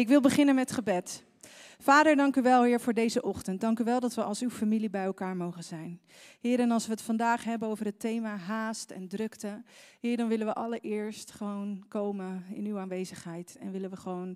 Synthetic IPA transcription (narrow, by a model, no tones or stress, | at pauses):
ɪkʋɪlˠbəχɪnənmɛtχəbɛt | faːdəɹdɑŋkyʋɛlˠɦɪːɹvʊːɹdejzəʔɔχtənt̚dɑŋkyʋɛlˠdɑtʋəʔɑlˠsywfamilibɛjɛlˠkaːɹmowχənzɛjn | ɦɪːɾɛnɑlˠsʋəɦətfɑndaːχɦɛbənowvərətejmaːɦaːstɛ̰ndrɵktəɦɪːɹdɑnʋɪlənʋəʔɑlˠəɹʔɪːɹstχəʋownkowməɪ̰nywaːnʋejzəχɦɛjtɛ̰nʋɪlənʋəχəʋown